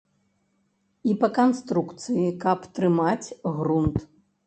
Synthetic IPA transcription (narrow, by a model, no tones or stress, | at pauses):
ipɐkanst̪ɾukt̪sɨjikɐpt̪ɾɨmat͡sʲɣɾunt̪